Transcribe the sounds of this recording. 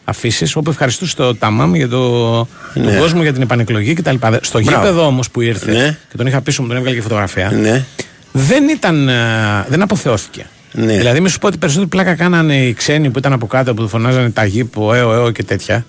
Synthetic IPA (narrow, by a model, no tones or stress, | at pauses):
ɐ̰fisiso̞pue̞fxɐɾist̪ust̪ot̪ɐmɐmʝɐt̪o | t̪uɡo̞zmoʝɐt̪inepɐneklo̞ʝicet̪ɐlipɐðest̪o̞ʝipe̞ðo̞o̞mospuiɾθece̞t̪o̞nixɐpisomut̪oevɣɐlɐcefot̪ɣɾɐfiɐne | ðe̞nit̪ɐnðe̞nɐpo̞θe̞o̞θi̥ce̞̰ | nðilɐðimisu̥poot̪ipe̞ɾis̬ot̪eɾiplɐkɐkɐnɐneikse̞nipuit̪ɐnɐpo̞kɐt̪eoput̪ofo̞nɐzɐnet̪ɐʝipoeoeoce̞t̪e̞t̪çɐ